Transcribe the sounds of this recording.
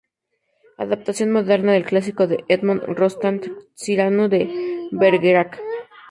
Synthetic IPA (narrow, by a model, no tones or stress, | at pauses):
a̰ðap̚t̪asjo̞nmoðe̞ɾnaðelklas̬iko̞ðeʔed̪monrost̪ant̪ | siɾanoðebeɾɣeɾak